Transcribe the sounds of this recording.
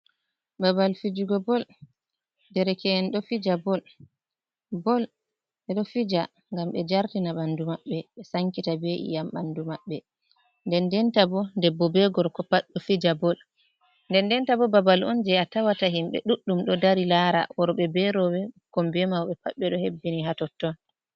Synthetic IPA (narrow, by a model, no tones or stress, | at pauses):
babalfid͡ʒuɡɔbɔl | dɛɾɛkɛnɗɔfid͡ʒabɔl | bɔl | ɓɛɗɔfid͡ʒa | ŋɡamɓɛd͡ʒaɾtinaɓandumaɓːɛɓɛsaŋkitabeʔḭjamɓandumaɓːɛ | ndɛndɛntabɔndɛbɔbɛɡɔɾkɔpaɗɔfid͡ʒabɔl | ndɛndɛntabɔbabalɔ̰nd͡ʒɛatawataɦimɓɛ̰ɗuɗːumɗɔdaɾilaɾa̰wɔɾɔɓɛbɛɾɔwɛkɔmbɛmawɓɛpaɓːɛɗɔhebːiniɦatɔtːɔn